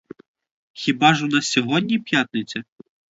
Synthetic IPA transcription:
xʲibaʐunasʲɔɦɔd̪ʲnʲipʲjat̪̚nɨt̪t͡s̪ʲɐ

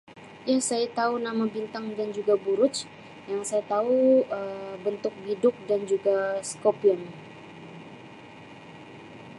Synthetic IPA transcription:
jasajat̪aunamabint̪aŋdand͡ʒuɡabuɾʊt͡ʃ | jaŋsajat̪auəbənt̪ʊk̚bidʊk̚dand͡ʒuɡaskopiəŋ

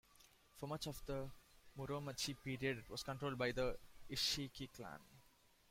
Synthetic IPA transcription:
fomɐt͡ʃɔfd̪əmuɾoːmət͡ʃʰipiːɾiəɖʋɔːskə̃ɳʈɾoːlɖ̚baɪd̪əɪʃikiklã̰n

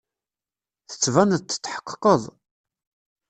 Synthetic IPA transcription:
θə̥t͡sːvænðt͡s̪ːə̥t͡sːħə̥qːqːəðˤ

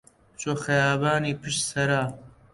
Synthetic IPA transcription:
t͡ʃoːxɐjaːbaːniːpʰɨʃt̪sɐɾaː

